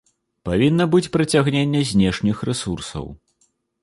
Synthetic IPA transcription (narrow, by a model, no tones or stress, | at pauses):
pavʲinːɐbɨt͡sʲpɾɐt͡sʲaɣnʲenʲːɛzʲnʲɛʂnʲixrɛsursɐ̰w